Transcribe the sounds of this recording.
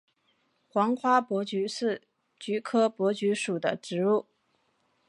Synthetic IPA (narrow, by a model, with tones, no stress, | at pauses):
xwɑ˧˥ŋxwa˥pwɔ˧˥t͡ɕy˧˥ʂɻ̩˥˩ | t͡ɕy˧˥kʰɤ˥pwɔ˧˥t͡ɕy˧˥ʂu˨˩d̪ə̰˦ʈ͡ʂɻ̩˧˥u˥˩